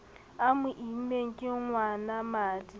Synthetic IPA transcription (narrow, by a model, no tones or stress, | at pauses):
amʊʔim̩meŋ̩kʼɪŋwanamaːdi